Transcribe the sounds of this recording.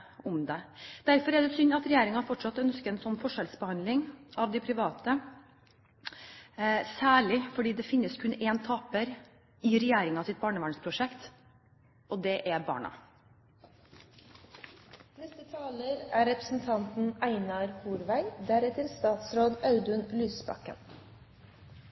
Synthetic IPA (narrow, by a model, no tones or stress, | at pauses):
ʊmd̪ɛd̪̥æɾfɔɾæd̪ɛsʏnːɑt̪ɾɛjeːɾɪŋɑfɔʈʂɑt̪ːœnskəɛːnsɔnːfɔʂɛlsbəhɑnd̪lɪŋʔɑʋd̪ɪpʰɾɪʋɑːt̪ə | sæːɭɪfɔɖiːd̪ɛfɪnːəskʰʉneːnt̪ʰɑːpəɾ | ɪɾɛjeːɾɪŋɑsɪt̪̚bɑːɳəʋæːɳspʰɾʊʂɛkt̪ | ʔɔd̪ɛʔæbɑ̰ːɳɑ̰ | nɛst̪ət̪ʰɑːləɾæːɾɛpɾəsn̩t̪ʰɑnt̪n̩æɪnɑɾhuːɾʋæɪd̪æɾɛt̪əɾst̪ɑːt̪sɾoːd̪ɑʉd̪ʉnlyːsbɑ̰kə̰n